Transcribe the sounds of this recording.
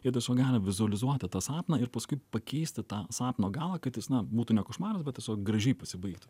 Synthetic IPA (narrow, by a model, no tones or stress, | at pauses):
jiɛt̪ʲɛsʲoːkɡɑːlʲɪʋʲɪzʊɐlʲɪzuɔt̪ʲɪt̪ɑːsɑːpnɐɪɾpɐskʊɪpɐkʲɛɪsʲt̪ʲɪt̪ɑːsɑːpnoːɡɑːlˠɐːkɐt̪jɪsnɐbuːt̪unʲɛkʊʃmɑːɾɐsbʲɛt̪tʲɛsʲoːk̚ɡɾɐʒʲɛɪpɐsʲɪbɐɪkt̪ʊ